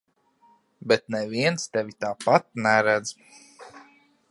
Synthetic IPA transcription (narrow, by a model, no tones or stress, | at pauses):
bɛt̪nɛviɛnst̪ɛvʲit̪aːpat̪̚nɛɾæd̪z